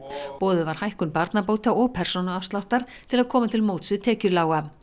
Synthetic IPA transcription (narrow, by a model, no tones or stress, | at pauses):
pɔːðʏvaɾ̥hajhkʏnpaɾt̪napoːwt̪aɔɣpʰɛr̥sownaafst̪lawht̪aɾ̥ | t̪ʰɪlaðkʰɔːmat̪ʰɪlmoːwt̪svɪt̪ʰɛːcʏɾlaːwɣa